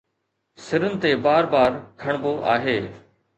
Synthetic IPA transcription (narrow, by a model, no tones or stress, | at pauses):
sɪɾənɪt̪eːbaːɾbaːɾkʰɐɽ̃boːʔa̰ːɦeː